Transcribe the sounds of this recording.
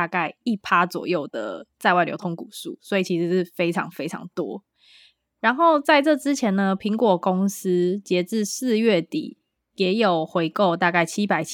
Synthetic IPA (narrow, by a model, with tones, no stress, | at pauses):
a˧ka˥˧ɪi˥˩pʰa˦t͡swɔ̰˨˩jo˥˩ʊd̪ə̰˩t͡sa˥˧ɪwa˥˩jo̰˧˥tʰo˧˥ŋku˨˩sṵ˥˩swɔ˧˥i˨˩t͡ɕʰi˧˥ʂɻ̩˧˥ʂ̩˥˩fe˥ɪʈ͡ʂʰɑ̰˧˥ŋfe˥ɪʈ͡ʂʰɑ̰˧˥ŋt̪wɔ˦ | ɻa˨˦nxo˥˧ʊt͡sa˥˧ɪʈ͡ʂɤ˥˩ʈ͡ʂɻ̩˦t͡ɕʰjɛ˧˦nnə˧pʰi˧˥˦ŋkwɔ˨˩ko˦ŋs̩˥t͡ɕjɛ˧˥ʈ͡ʂɻ̩˥˧s̩˥˧ɥɛ˥˩t̪ḭ˨˩˦ | jɛ˨˥jo˨˩ʊxwe˧˥ɪko˥˧ʊt̪̬a˥˧ka˥˩ɪt͡ɕʰi˦˥pa˨˩ɪt͡ɕʰ